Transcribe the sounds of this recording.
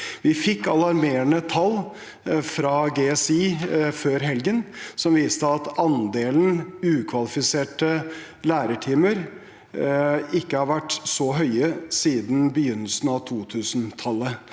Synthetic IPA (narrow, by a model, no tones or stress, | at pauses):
ʋɪfɪkːɑlɑɾmeːɾəɳət̪ʰɑl | fɾɑɡeɛsiːføːɾɦɛlɡənsɔmʋiːst̪əɑt̪ɑnd̪eːln̩ʉːkʰʋɑlɪfɪseːʈə | læːɾəʈʰiːməɾ | ɪkːəhɑɾʋæʈːsɔɦœʏəsiːd̪n̩bəjʏnːəlsn̩ɑʋt̪ʰuːt̪ʰʉːsnt̪ʰɑlːə